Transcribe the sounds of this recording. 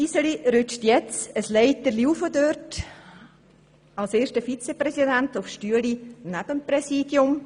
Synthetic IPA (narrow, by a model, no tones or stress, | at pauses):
isəliɾʏt͡ʃtjɛt͡səslɛɪtəliufədørt | alseːʃtəfit͡sepɾɛsidæntʊfʃtyəlinæb̥əmpɾɛsiːd̥jʊm